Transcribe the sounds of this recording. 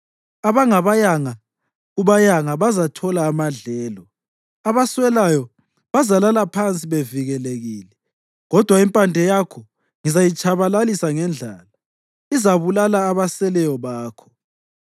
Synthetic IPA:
aβaŋaβajaŋa | uβajaŋaβazatʰɔlaːmaɮɛːlɔ | aβaswɛlajɔ | βazalalapʰant͡sʼiβeviɣɛleɣiːlɛ | ɣɔd̥ʱwaimpʼandʱɛjakʰɔ | ŋizajit͡ʃʼaβalalisaŋɛnd͡ɮʱaːla | izaβulalaːβasɛlɛjɔβaːkʰɔ̥

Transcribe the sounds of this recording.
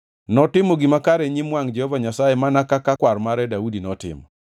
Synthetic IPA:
nɔtɪmoɡɪmakaɾɛɲimwaŋd͡ʒɛhɔvaɲasaemanakakakwaɾmaɾɛdaudinɔtɪ̰mɔ̰

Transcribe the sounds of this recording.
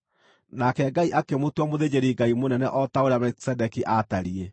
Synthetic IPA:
nakɛɡaiʔakemotwamoðed͡ʑeɾiɡaimonɛnɛʔɔtaoɾejamɛki̥sɛdɛkiʔataɾie

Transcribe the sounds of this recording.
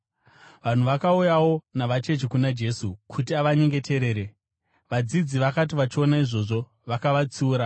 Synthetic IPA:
ʋan̤uʋakaujawo̞naʋat͡ʃe̞t͡ʃikunad͡ʒe̞sukʰutiaʋaɲe̞ŋɡe̞tʰeɾe̞ːɾe | ʋad͡zid͡ziʋakatiʋat͡ʃionaiʐo̞ʐo̞ | ʋakaʋat͡suːɾa

